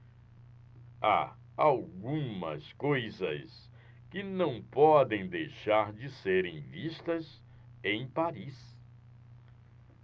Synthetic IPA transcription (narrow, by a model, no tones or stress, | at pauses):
a̰ | awɡũmɐ̰skojzɐ̰s | kɪnɐ̃w̃pɔd̪ẽj̃d̪ejʃaɾd͡ʒɪseɾẽj̃vist̪ɐs | ẽj̃paɾis